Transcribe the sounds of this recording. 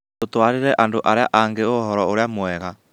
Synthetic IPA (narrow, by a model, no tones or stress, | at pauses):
totwaɾeɾɛʔandoʔaɾeaʔaŋɡeoɦɔɾɔoɾeamwɛɣa